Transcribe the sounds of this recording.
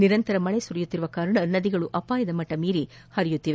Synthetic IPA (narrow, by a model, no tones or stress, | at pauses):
niɾɐnt̪ɐɾɐmɐɭesuɾijut̪ːiɾuʋɐkaːɾɐɳɐnɐd̪iɡɐɭuʔɐpaːjɐd̪ɐmɐʈːɐmiːɾi | hɐɾijut̪ːiʋe